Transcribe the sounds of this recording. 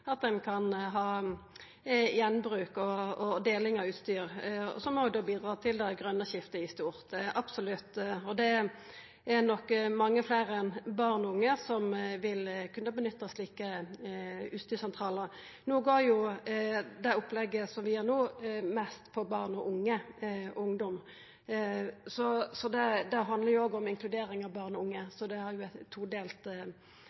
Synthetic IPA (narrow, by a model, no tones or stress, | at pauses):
ɑt̪̚d̪ɛnkʰɑnɦɑː | jɛnbɾʉːkɔɔd̪eːlɪŋɑʉːt̪st̪yːʁɔ̰sɔmhɔʋɪd̪oːbiːd̪ɾɑːt̪ʰɪld̪ɛɡʁœnːəɕɪft̪əɪst̪uːʁt̪ʔɑb̥sɔlʉt̪ːɔd̪ɛ | æʁnɔkːmɑŋːəfleːɾɛnbɑʁnɔʊŋːəsɔmʋɪlkʰʉnːəbənʏt̪ːəsliːkə | ʉːst̪yːsɛnt̪ʰʁɑːlə | nuːɡoːɾjʊ | d̪ɛʊpːlɛɡːəsɔmʋɪjeːɾnoːmɛst̪pʰɔbɑːʁnɔʔʊŋːəʊŋd̪ɔm | sɔsɔd̪ɛd̪ɛɦɑnd̪ləɾjʊoːɡɔmɪŋkʰlʉd̪eːɾɪŋɑʋbɑːʁnɔʊŋːəsɔd̪ɛhɑɾjʊɛuːd̪eːlt̪